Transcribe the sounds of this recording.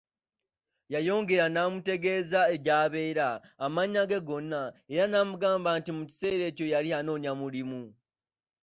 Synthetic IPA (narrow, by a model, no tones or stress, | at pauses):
jajo̞ːŋɡe̞ɾanaːmute̞ɡe̞ːzae̞ɟaːβe̞ːɾaːmaɲaɡeɡo̞nːae̞ɾanaːmuɡaːmbantimuci̥se̞ːɾe̞ːco̞jaliano̞ːɲamulimu